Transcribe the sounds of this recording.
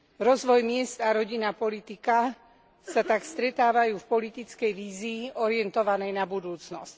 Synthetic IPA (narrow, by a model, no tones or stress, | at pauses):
ɾɔzʋɔjmɪɛst̪aɾɔɟinapɔlit̪ika | sat̪akst̪ɾɛt̪aːʋajuːfpɔlit̪it͡skɛjʋiːziːʔɔɾɪɛnt̪ɔʋanɛjnabud̪uːt͡snɔ̰sc